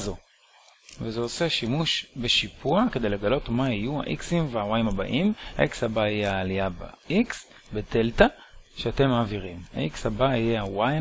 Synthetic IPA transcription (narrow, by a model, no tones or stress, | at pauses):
zo̞ | vezeoseʃimuʃbe̞ʃipuaked̪e̞jleɡalo̞tmaijua̰ʔiksimveawajimaba̰ʔimha̰ʔikshabaijeaːlijaba̰iks | bete̞ltaʃeate̞maːviʁimha̰ʔikshabaijeawa